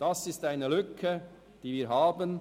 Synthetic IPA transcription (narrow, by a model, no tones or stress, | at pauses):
d̥ɑsɪstaɪnəlʏkʰə | d̥iːviːɐɾɦɑːbən